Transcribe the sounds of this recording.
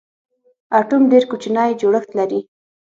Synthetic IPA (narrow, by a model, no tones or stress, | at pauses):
aʈumɖeɾkut͡ʃnɑjd͡ʒoɽəxt̪laɾi